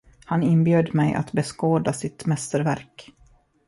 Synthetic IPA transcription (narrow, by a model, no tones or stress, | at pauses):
hanɪnbjøːd̪mɛjʔa̰t̪bɛskoːd̪asɪt̪mɛst̪əɾvæɾk